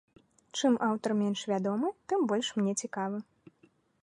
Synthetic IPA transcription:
t͡ʂɨmʔawt̪ɐrmʲɛnʂvʲad̪ɔmɨt̪ɨmbɔlʲʂmnʲɛt͡sʲikavɨ

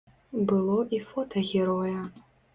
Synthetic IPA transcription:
bɨlˠoʔifotʰaɣʲeɾoja

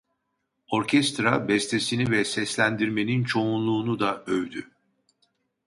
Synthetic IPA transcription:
o̞ɾcʰɛst̪ɾabɛst̪ʰesinivɛsɛslʲænd̪iɾme̞nint͡ʃʰo̞unlˠuːnud̪aøjd̪y

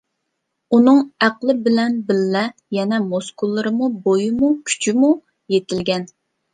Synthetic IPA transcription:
unɨŋæqlˠɪbɪlɛnbɪlːɛjɛnɛmoskulˠːɨɾɨmubojumukʲʰy̥t͡ʃʰimu | jet̪ɪlɡʲɛn

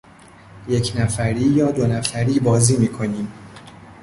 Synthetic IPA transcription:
je̞cʰnæfæɾiːjɒːd̪onæfæɾiːbɒːziːmiːkʰo̞niːm

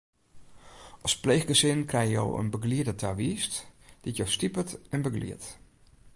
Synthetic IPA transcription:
ɔsplejxɡəsɪnkrɛjəjo̰wə̰nbəɡliədətʰaʋiːstd̥itjostipətɛnbəɡlḭət

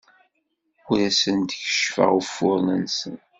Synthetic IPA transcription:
ʊɾæsənt̪çə̥ʃfə̰ʁufːʊɾˤnənsən

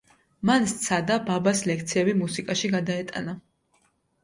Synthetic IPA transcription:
manst̪sʰad̪ababaslɛkʰt̪sʰiɛbimusikʼaʃiɡad̪aɛt̪ʼa̰na

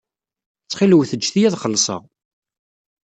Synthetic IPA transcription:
t͡sːχiləwθəd͡ʒːθijæðχəlːsˤɑ̰ʁ

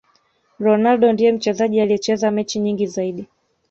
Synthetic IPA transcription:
ɾɔnalɗɔndijɛm̩t͡ʃɛzaʄialijɛt͡ʃɛzamɛt͡ʃiɲiŋɡizaiɗi

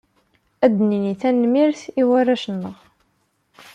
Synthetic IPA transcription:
æd̪ːniniθænːmiɾθiwærːæʃənːəʁ

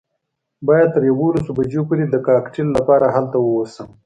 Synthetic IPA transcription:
bɑjad̪̚t̪əɾjawolasobad͡ʒopuɾed̪əkɑːkʈilːapɑɾaɦalt̪awəwosəm

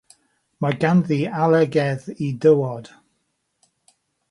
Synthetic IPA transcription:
maɡanðialˠɛɡɛðidəwɔd̥

